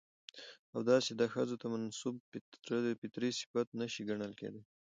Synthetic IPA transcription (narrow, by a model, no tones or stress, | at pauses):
awd̪ɑsed̪ɑxəzot̪amansub̚p̪pɪt̪ɾisɪ̥fat̪̚naʃiɡaɳəlkḛd̪e